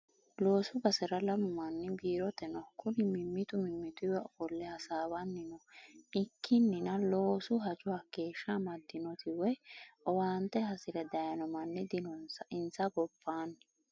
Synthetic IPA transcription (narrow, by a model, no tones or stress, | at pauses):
lo̞ːsʊbɐsɛɾɐlɐmʊmɐnːɪbiːɾɔt̪ɛnɔkʊnɪmɪmːɪt̪ʊmɪmːɪt̪ʊwɛʔɔfɔlːɛhɐsaːbɐnːɪnɔʔɪkːɪnːɪnɐlo̞ːsʊɦɐt͡ʃʼʊhɐke̞ːʃːamɐd̪ːɪnɔt̪ʰɪwɔjʔɔwaːnt̪ɛɦɐsɪɾɛd̪ɐjɐnɔmɐnːɪd̪ɪnɔnsɪnsɐɡɔbːaːn